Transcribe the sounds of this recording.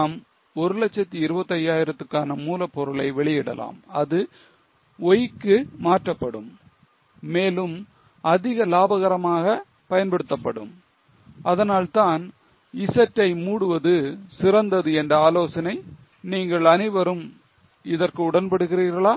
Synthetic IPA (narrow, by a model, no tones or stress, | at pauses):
m | ɔɾɯlɛt͡ʃːɐt̪ːiɪɾɯbɐt̪ːɐjaːjɪɾɐt̪ːɯkːaːnɐmuːlɐpːɔɾɯɭɐɪʋɛɭɪjɪɽɐ̰lʔa̰ːmɐðɯ | ɔjɪkːɯmaːʈrɐpːɐɽɯ̰mː | eːlɯm | ɐðɪɣɐlaːbɐɣɐɾɐmaːɣɐ | pɐjɐnpɐɽɯt̪ːɐpːɐɽɯ̰m | ɐðɐnaːlt̪aːn | ɪsɐʈːɐɪmuːɽɯʋɐðɯsɪrɐnd̪ɐðɯɛndrɐaːloːsɐnɐɪ | niːŋɡɐɭɐnɪʋɐɾɯm | ɪðɐrkɯʊɽɐnpɐɽɯɣɪriːɾɣɐɭaː